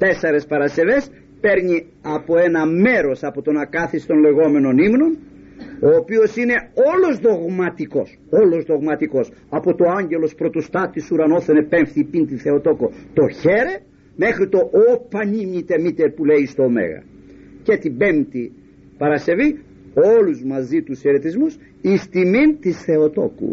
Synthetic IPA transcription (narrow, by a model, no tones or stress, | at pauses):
t̪e̞seɾe̞spɐɾɐse̞ve̞s | pe̞ɾɲi | ɐpo̞e̞nɐme̞ɾo̞sɐpo̞t̪o̞nɐkɐθist̪o̞nle̞ɣo̞me̞no̞nimno̞no̞ːpio̞sine̞o̞lo̞zðo̞ɣmɐt̪iko̞s | o̞lo̞zðo̞ɣmɐt̪iko̞sɐpot̪o̞ɐɲɟe̞lo̞spɾo̞t̪ost̪ɐt̪ːisuɾɐno̞θenepe̞ɱfθiːpint̪iθe̞o̞t̪o̞ko̞t̪o̞çe̞ɾe | me̞xɾit̪o̞ʔopɐɲimit̪e̞mit̪eɾpuleist̪oːmḛɣɐ̰ | cet̪ibe̞mt̪i | pɐɾɐse̞vi | o̞luzmɐzit̪useɾet̪izmus | ist̪imint̪isθe̞o̞t̪o̞̰kṵ